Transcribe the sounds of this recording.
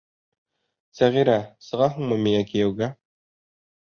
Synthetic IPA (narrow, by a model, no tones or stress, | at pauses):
sæʁiɾæsɤ̆ʁɑɦuɴmɤmijækijæwɡæ